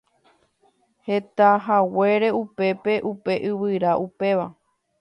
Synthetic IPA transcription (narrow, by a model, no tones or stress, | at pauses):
he̞t̪aɦawe̞ɾe̞upe̞pe̞ʔupe̞ʔɨʋɨɾaʔupe̞ʋa